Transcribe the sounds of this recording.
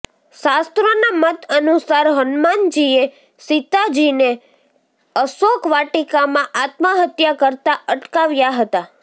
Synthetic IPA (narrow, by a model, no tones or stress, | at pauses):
ʃast̪ɾənamət̪ənusaɾɦənmand͡ʒie | sit̪ad͡ʒine | əsokʋaʈikamãʔat̪məɦət̪jakəɾt̪aəʈkaʋjaɦət̪a